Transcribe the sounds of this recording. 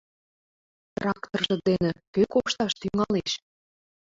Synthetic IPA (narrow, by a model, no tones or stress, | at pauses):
t̪rɑkt̪orʒɤ̆d̪enĕkøkoʃt̪ɑʃt̪yŋɑleʃ